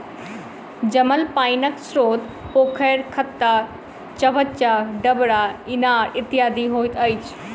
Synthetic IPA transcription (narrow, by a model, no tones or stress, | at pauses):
d͡ʑɐməlpaːinəksɾoːt̪ | poːkʰəːɾkʰɐt̪ːa | t͡ɕɐʋət͡ɕaɖɐbɽaɪnaːɾɪt̪ɪjaːd̪iɦoːjt̪ɐit͡ɕʰ